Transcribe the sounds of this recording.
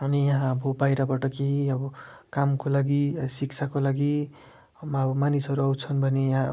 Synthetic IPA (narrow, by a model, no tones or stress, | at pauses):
ʌnijaɦãʌbʌbajɾʌbaʈʌkeɦiʌbʌkamkolaɡisikt͡sʰakolaɡi | mʌbʌmanisʌɾuʌwt͡sʰʌnbʱʌnejaɦã